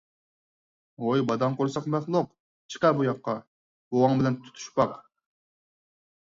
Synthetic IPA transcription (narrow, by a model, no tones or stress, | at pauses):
ojbɑd̪ɑŋqoɾsɑqmɛχlˠʊq | t͡ʃʰə̥qɛbujɑqːɑ | boʁɑŋbɪlɛnt̪ʰu̥t̪ʰy̥ʃpɑq